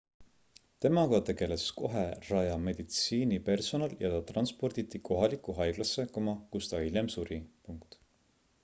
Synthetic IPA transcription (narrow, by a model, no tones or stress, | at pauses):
t̪e̞mɑɡ̥ɑt̪e̞ɡ̥e̞le̞sko̞ɦe̞rɑjɑme̞d̪̥it̪siːnipe̞rso̞nɑljɑt̪ɑt̪rɑnspo̞rd̪̥it̪ːiko̞ɦɑlikˑuɦɑjɡ̥lɑsːe̞komɑkust̪ɑilʲemsuɾipuŋkt̪